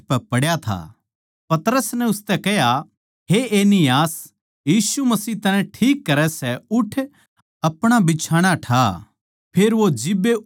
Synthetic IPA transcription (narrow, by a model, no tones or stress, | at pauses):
pɛpɐɽjat̪ʰa̰ː | pɐt̪ɾəsnɛ̃ʊst̪ɛkɛɦja | ɦeʔeːnɪjaːs | jiːsumɐsiːɦt̪ɐnɛ̃ʈʰiːkːɐɾɛsɛʊʈʰ | ɐpɽ̃abɪt͡ʃʰaːɽ̃aʈʰa | pʰeːɾʋod͡ʒɪbːe